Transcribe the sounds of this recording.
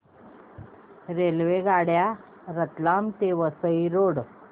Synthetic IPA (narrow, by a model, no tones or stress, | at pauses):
ɾelʋeɡaɽja | ɾət̪lamt̪eʋəsəiɾoɽ